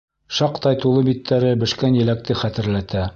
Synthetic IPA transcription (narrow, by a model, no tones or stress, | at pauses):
ʃɑqt̪ɑjt̪ulˠɤbit̪ʰːæɾɘbɘ̆ʃkænjɘ̆læk̚t̪ɘχæt̪ɘ̆ɾlæt̪æ